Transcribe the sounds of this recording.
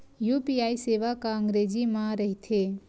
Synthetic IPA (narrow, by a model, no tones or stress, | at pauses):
jupiaːiseːʋakaə̃ŋɡɾeːd͡ʒimãɾəɦit̪ʰe